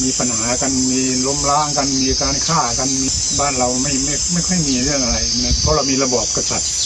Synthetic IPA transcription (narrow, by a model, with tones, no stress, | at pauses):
miː˧pa˧nhaː˩˦ka˧nmiː˧ | lo˧˥mlaː˦˥ŋka˧nmiː˧kaː˧nkʰaː˥˩ka˧nmiː˧ | baː˥˩nɾa˧wma˥˩jma˥˩jma˥˩jkʰɔ˥˩jmiː˧ɾɯ˥˩əŋʔa˧ɾa˧jna˧˥˩pʰɔ˦˥˩la˧wmiː˧la˧bɔː˨˩p̚ka˧sa˨˩t̪̚